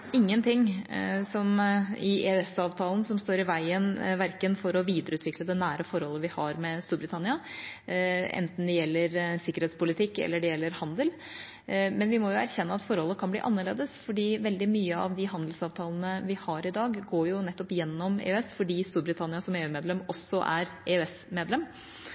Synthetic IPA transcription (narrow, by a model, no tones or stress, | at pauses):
ɪŋːənt̪ʰɪŋːsɔmɪʔeøɛsɑːʋt̪ʰɑːlən̩sɔmst̪oːɾɪʋæɪənʋæɾkənfɔɾɔʋiːd̪əɾəʉːt̪ʋɪkləd̪ɛnæːɾəfɔɾhɔlːəʋɪhɑɾmɛst̪uːɾbɾɪt̪ʰɑnɪɑ | ʔɛ̰nt̪n̩d̪ɛjɛlːəɾsɪkːəɾheːt̪spʊlɪt̪ʰɪkːɛ̰lːəɖɛjɛlːəɾhɑnd̪əl | mɛnʋɪmɔjʊæ̰ɾçɛnːəɑt̪fɔɾhɔlːəkʰɑnblḭːʔɑnːəɭḛːd̪əsfɔɖiːʋɛld̪ɪmyːəɑ̰ʋd̪ɪɦɑnd̪lsɑːʋt̪ʰɑːln̩əʋɪhɑɾɪd̪ɑːɡɡoːjʊnɛt̪ːɔpjɛnːɔmḛːœɛsfɔɖiːst̪uːɾbɾɪt̪ʰɑnɪɑsɔmeːʉːmeːd̪lɛmɔsːɔʔæɾeːøɛs | meːd̪lɛm